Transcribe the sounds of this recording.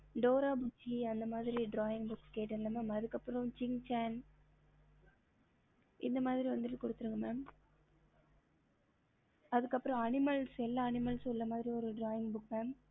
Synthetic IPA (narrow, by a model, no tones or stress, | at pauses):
ɖoːɾaːbʊt͡ʃːiɐnd̪ɐmaːðɪɾiɖɾaːjɪŋɡbʊkːkeːʈːɐlːɐmaːmɐðɯkːɐpːɯɾɐ̃t͡ʃɪŋt͡ʃaːn | ʔɪ̰nd̪ɐmaːðɪɾiʋɐnd̪ɪʈːɯkɔɽɯt̪ːɯɾɯŋɡɐmaːm | ɐðɯkːɐpːɯɾɐ̃ɐnɪmɐlsɛlːaːɐnɪmɐlsɔlːɐmaːðɪɾiɔɾɯɖɾaːjɪŋɡbʊkmaːm